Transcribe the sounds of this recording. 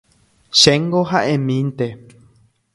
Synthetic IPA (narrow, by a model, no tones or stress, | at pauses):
ʃẽŋɡoɦaʔẽmĩnt̪e